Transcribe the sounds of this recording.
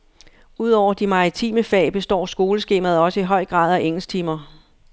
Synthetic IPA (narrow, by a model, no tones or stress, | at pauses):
uð̞̰ˠɒʊ̰ɐd̥imɑ̈ʁit͡sʰḭːməfɛ̰ːb̥e̝sd̥ɒ̰ːsɡ̥o̝ːləsɡ̥e̝̰ːmæð̞ˠɒ̽səiɦɒ̽ɪ̰ɡ̥ʁɑ̰̈ːð̞ˠæʔeŋ̰l̩st͡sʰimɐ